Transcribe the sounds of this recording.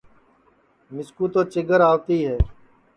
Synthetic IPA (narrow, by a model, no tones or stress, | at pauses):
mɪskuːt̪oːt͡ʃɪɡʱəɾaːʋt̪iːɦɛː